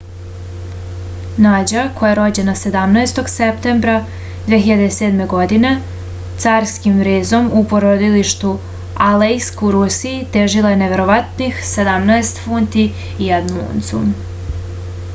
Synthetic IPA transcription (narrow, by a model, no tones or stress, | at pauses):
nad͡ʑako̞jaɾo̞d͡ʑe̞nase̞d̪amnaest̪o̞ɡsep̚t̪e̞mbɾa | d̪ʋeɦiʎad̪ese̞ːd̪me̞ɡo̞d̪ine̞ | t̪saːɾskimʋɾeːzo̞mupo̞ɾod̪iliʃt̪u | alejskuɾusijit̪e̞ʒilˠajeneʋe̞ɾo̞ʋat̪nixse̞d̪amnaest̪funt̪iː | ad̪muṵnt̪sṵm